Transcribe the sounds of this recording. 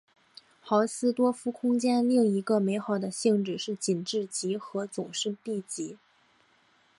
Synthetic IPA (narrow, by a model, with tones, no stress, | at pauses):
xɑ˧˥ʊsɹ̩˥t̪wɔ˥fu˥kʰʊ˥ŋt͡ɕjɛ˥nli˥˩ŋi˧˥ɡə˧me˧˥ɪxɑ˨˩ʊd̪ə˦ɕi˥˧ŋʈ͡ʂɻ̩˨˩ʂɻ̩˥˩t͡ɕi˨˩nʈ͡ʂɻ̩˥˩t͡ɕi˧˥xɤ˧˥t͡sʊ˨˩ŋʂɻ̩˥˧p̪i˥˩t͡ɕi˧˥